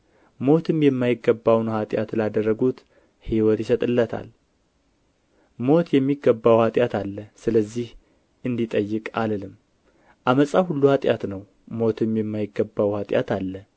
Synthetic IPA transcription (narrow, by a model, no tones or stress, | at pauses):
mo̞t̪ʰɨmjɛmːajɪɡːəbːawnhat̪ʼjat̪lad̪ərːəɡut̪ | hiwɔt̪jɪsət̪ʼɨlːət̪ʰa̰l | mo̞t̪jɛmːiɡːəbːawhat̪ʼjat̪ʰalːəsɨləzːih | ʔɨnd̪it̪ʼəjːɪkʼaləlɨmː | ʔaməsʼahulːuhat̪ʼjat̪nəw | mo̞t̪ʰɨmjɛmːajɪɡːəbːawhat̪ʼja̰t̪alːə